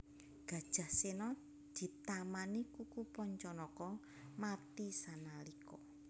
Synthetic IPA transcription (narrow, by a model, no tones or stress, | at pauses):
ɡ̥ä̤d̥ʒ̥a̤hsenɔ | d̪̥i̤t̪amanikukupɔɲt͡ʃɔnɔkɔ | mat̪isanalikɔ